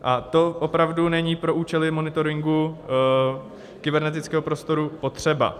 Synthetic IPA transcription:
ʔat̪o̞ʔo̞pɾavdunɛɲiːpɾo̞ʔuːt͡ʃɛlɪmo̞nɪt̪o̞ɾɪŋɡu | kɪbɛɾnɛt̪ɪt͡skɛːɦopɾo̞st̪o̞ɾupo̞t̪r̝̥ɛba̰

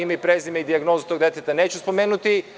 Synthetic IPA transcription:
imaipɾezimeid̪iaɡnozut̪o̞ɡ̚d̪et̪et̪anet͡ɕuspomeːnut̪i

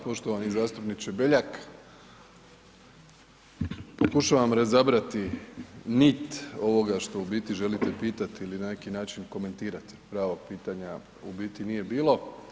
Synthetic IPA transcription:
po̞ʃt̪o̞ʋanizaːst̪upnit͡ʃebeʎak | po̞kuʃaʋamɾazabɾat̪i | nit̪o̞ʋo̞ɡaʃt̪o̞ubiːt̪iʒe̞lit̪epiːt̪at̪iilinane̞kinaːt͡ʃinko̞me̞nt̪iːɾat̪i̥pɾaːʋo̞ɡ̚piːt̪aɲa | ubiːt̪inije̞biːlˠo̞

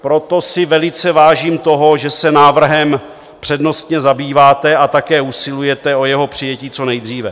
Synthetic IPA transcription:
pɾo̞t̪o̞sɪvɛlɪt͡sɛvaːʒiːmt̪o̞ɦo̞ʒɛsɛnaːvr̩ɦɛm | pr̥ɛdno̞st̪ɲɛzabiːvaːt̪ɛat̪akɛːusɪlujɛt̪ɛo̞jɛɦo̞pr̝̥ɪjɛciːt͡so̞nɛjd̪r̝iːvɛ

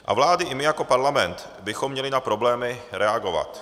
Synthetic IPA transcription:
ʔa̰vlaːdɪʔɪmɪjako̞paɾlamɛnt̪ | bɪxo̞mːɲɛlɪnapɾo̞blɛːmɪɾɛaɡo̞va̰t̪

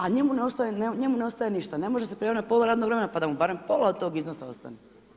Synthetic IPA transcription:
aɲemuneost̪ajeneɲe̞mune̞ost̪ajeniʃt̪ane̞moʒesepɾoaːinapo̞lˠaɾaːd̪noɡɾemenapad̪amubaɾe̞mpo̞lˠaod̪t̪o̞ːɡiznosao̰st̪a̰ne

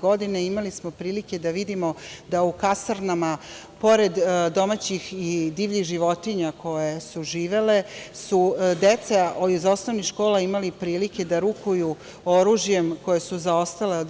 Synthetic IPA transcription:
ɡo̞d̪ineimalismo̞pɾiːlike̞d̪aʋid̪imo̞d̪aukasaɾnama | po̞ɾe̞d̪d̪o̞mat͡ɕixid̪iːʋʎixʒiʋo̞t̪iɲako̞jesuʒiːʋe̞le̞sud̪et̪saizaosnoʋnixʃko̞ːlaimalipɾiːlike̞d̪aɾukuju | o̞ɾuːʒje̞mko̞jesuzao̞st̪ale

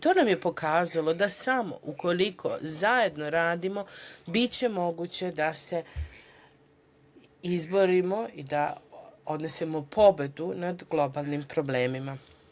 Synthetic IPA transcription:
t̪o̞ːnamje̞po̞kʰaːzalˠo̞d̪asamo̞̰ʔuko̞likʰo̞̰zaje̞d̪noɾaːd̪imo̞bit͡ɕe̞mo̞ɡuːt͡ɕe̞d̪ase̞ | izbo̞ɾimo̞id̪ao̞d̪ne̞semopʰo̞be̞d̪unad̪ɡlo̞baːlˠnimpɾo̞ble̞ːmima

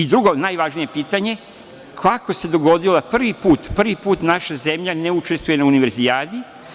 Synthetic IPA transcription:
id̪ɾuɡo̞najʋaʒnije̞piːt̪aɲe̞ | kʰako̞se̞d̪o̞ɡo̞d̪iloapr̩ʋipuːt̪pr̩ʋipuːt̪naʃaze̞mʎaneut͡ʃe̞st̪ʋuje̞nauniʋe̞ɾzijaːd̪i

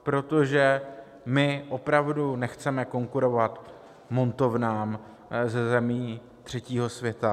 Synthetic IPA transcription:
pɾo̞t̪o̞ʒɛ | mɪʔo̞pɾavdunɛxt͡sɛmɛko̞ŋkuɾo̞vat̪ | mo̞nt̪o̞vnaːm | zɛzɛmiː | t̪r̝̥ɛciːɦo̞svjɛt̪a

